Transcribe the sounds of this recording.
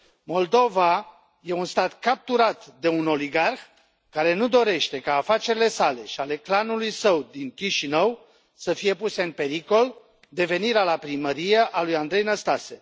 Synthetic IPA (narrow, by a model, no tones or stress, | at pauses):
mo̞ld̪o̞va | je̞unst̪at̪kap̚t̪uɾat̪d̪e̞uno̞liɡarx | kaɾe̞nud̪o̞ɾe̞ʃt̪e̞kaːfat͡ʃe̞ɾile̞sale̞ʃiale̞klanulujsəwd̪iŋkʲiʃinəw | səfije̞puse̞ɨnpe̞ɾiko̞l | d̪e̞ve̞niɾalapɾiməɾijeʔalujand̪ɾe̞jnəst̪ase̞̰